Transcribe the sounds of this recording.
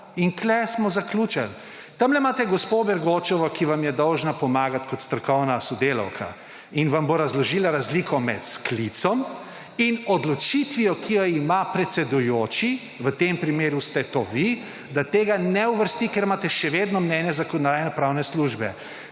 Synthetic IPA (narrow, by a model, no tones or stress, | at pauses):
iŋklɛsmɔzaklʲuːt͡ʃɛl | t̪amlɛmaːt̪ɛɡɔspobɛɾɡoːt͡ʃɔʋɔkiʋamjɛd̪ɔwʒnapɔmaːɡat̪kɔt̪st̪ɾɔɾkɔwnasɔd̪eːlɔ̰wkʰa̰ | inʋamboɾazlɔʒilaɾazlikʰɔmɛ̰t̪sklit̪sɔm | inɔd̪lɔt͡ʃit̪ʋijɔkʰijɔimapɾɛt̪sɛd̪ujoːt͡ʃi | ʋət̪empɾimeːɾust̪ɛt̪oːʋi | d̪at̪eːɡanɛuʋəɾst̪ikeɾmaːt̪ɛʃɛʋed̪nɔmnɛnjɛzakɔnd̪aːjɛnɛpɾaːwnɛsluʒbɛ̰